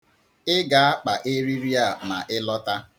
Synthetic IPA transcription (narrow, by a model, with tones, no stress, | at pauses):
ɪ˦ɡa˨a˦k͡pa˨ʔe˦ɾi˦ɾi˦a˦˨ma˨ʔɪ˦lɔ˦ta˦